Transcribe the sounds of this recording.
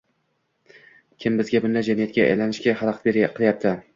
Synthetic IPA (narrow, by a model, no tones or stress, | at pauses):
kʲʰɪmbɪzɡʲabʊnd̪ad͡ʒamijat̪̚kʲaa̰jlanɪʃkʲahɑlˠqʰḁt̪beɾqʰɨlˠjap̚t̪ʰɪ